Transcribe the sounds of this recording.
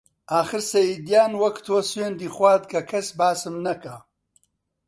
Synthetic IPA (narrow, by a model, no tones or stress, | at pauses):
aːxɨɾsɐjid̪jaːnwɐkt̪ʰoːsweːnd̪iːxwaːd̪̚kʰɐkʰɐsbaːsɨmnɐkɐ